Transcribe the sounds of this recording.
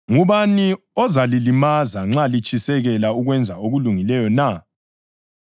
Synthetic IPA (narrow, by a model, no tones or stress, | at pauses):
ŋuβani | ɔzalilimazaŋ͡ǁalit͡ʃʼisɛɣɛlauɣwɛnd͡zʱaoɣuluŋilɛjɔna